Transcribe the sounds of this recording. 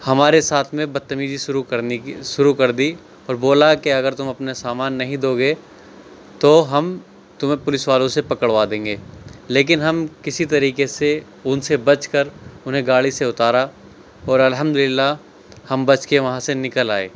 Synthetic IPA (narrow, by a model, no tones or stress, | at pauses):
hɐmaːɾesaːt̪ʰmẽbɐt̪ːəmid͡ʒiuʃʊɾukɐɾd̪i | ɔːɾboːlakeɐɡəɾt̪ʊmɐpnesaːmaːnːɐɦĩd̪oːɡeː | t̪oɦɐm | t̪ʊmẽpʊlɪsʋaːlõsepɐkəɽʋad̪ẽːŋɡeːleːk̬ɪnɦɐmkɪsit̪ɐɾiːkese | ʊnsebɐt͡ʃkɐɾʊnɦẽɡaːɭiseʊt̪aːɾa | ɔːɾɐlɦəmd̪ʊlɪlːa | hɐmbɐt͡ʃkeʋɐɦãsenɪkəlaːḛː